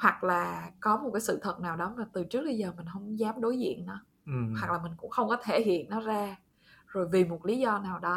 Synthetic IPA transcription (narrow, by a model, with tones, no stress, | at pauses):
hwa˨˩k̚laː˨˩kɔ˨˦mo˨˩t̚kaː˨˦sɨ̰˧˨t̪ʰə˨˩t̚naː˨˩wɗɔ˨˦maː˨˩t̪ɨ˨˩t͡ɕɨ˦˥ək̚ɓə˧jzəː˨˩mï˨˩ŋ̟hə˧wŋ͡mzaː˨˦mɗo˨˦jzḭ˧˨ənnɔ˨˦˩ | ha˨˩k̚laː˨˩mï˨˩ŋ̟kʊ̰˧˥ŋ͡mxə˧wŋ͡mkɔ˨˦t̪ʰe˧˩hḭ˧˨ənːɔ˨˦zaː˧ | zo˨˩jvi˨˩mo˨˩t̚li˨˦zɔ˧naː˨˩wɗɔ˨˦